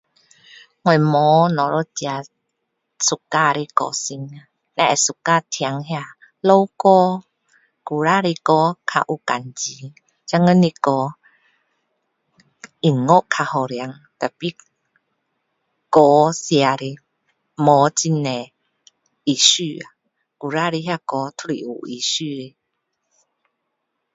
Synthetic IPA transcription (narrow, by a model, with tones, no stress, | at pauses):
ŋwɔ˨mɔ˨˦nɔ˨ɾɔ˧t͡ɕa˧ | su˨kːa˧˨ɾi˧kɔ̰˧˨si˧ŋa˧ | nɛ˧ʔɛ˨su˧˨ka˧˨t̪ʰja˧˦ŋhja˧˨ | lo˧˦wkɔ˦˧ | ku˨ɾa˦˨ɾi˧kɔ˧kʰa̰˧ʔu˧ka˨nt͡ɕi˨˦ | t͡ɕa˧ŋə˧˦ni˧kɔ˧˦ | ʔi˨ŋŋɔ˦ʔkʰa˧hɔ˨ɾja˨˦ŋ | t̪a˨pi˧˦ | kɔ˨˧˦si˧a˨ɾi˧ | mɔ˨˦t͡ɕi˧nɛ˨ | i˨sy˧a˨ | ku˨ɾa˦˧ɾi˧ɦja˧kɔ˧t̪ʰu˧ɾi˨ʔṵ˨i˨sy˧ɾi˧